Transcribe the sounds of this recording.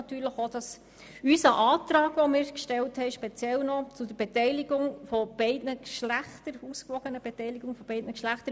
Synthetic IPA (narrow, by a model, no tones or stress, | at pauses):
ɑt̪yːɾləχod̥ɑs | ysəʔɑːt̪ɾɑːɡ̥ʋɔmɪːɾkʃtɛlthɛɪʃpɛt͡sjɛlnɔt͡sʊd̥əɾb̥etɛɪliɡʊŋfɔb̥ɛɪdnəkʃlæχtəɾuskʋɔɡ̥ənəb̥ɛtɛɪliɡʊŋfɔb̥ɛɪdnəkʃlæχt̪əɾ